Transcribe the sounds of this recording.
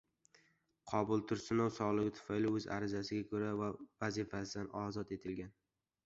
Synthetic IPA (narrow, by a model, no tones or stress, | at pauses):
qʰɒbʊlˠt̪ʰʊɾsɪnɒwsɒʁlˠɪɡʲɪt̪ʰʊ̥fajlɪɵza̰ɾɪzasɪɡʲakʰɵɾavavazɪfasɪd̪anɒzɒt̪e̞t̪ʰɪlɡʲan